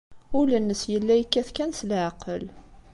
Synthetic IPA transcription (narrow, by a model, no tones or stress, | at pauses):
ʊlənːəsjəlːæjkːæθkːænsəlʕaqəl